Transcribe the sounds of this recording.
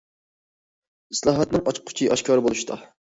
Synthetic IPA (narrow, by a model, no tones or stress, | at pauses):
islˠɑːɦɑt̪nɨŋɑt͡ʃʰqqʰːʊ̥t͡ʃʰiʔɑʃkʰɑɾɨbolˠuʃt̪ʰɑ̰